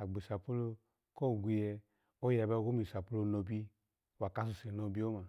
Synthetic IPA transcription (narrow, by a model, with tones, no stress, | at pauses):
a˨ɡ͡bi˨sa˨pu˦lo˧ | kɔ˦˨ɡʷi˧jɛ˧ | o˦ja˨ba˧˦ɡo˦mi˨sa˨pu˦lo˧no˧bi˦ | wa˨ka˧s̬u˨se˨no˧bi˦o˦ma˨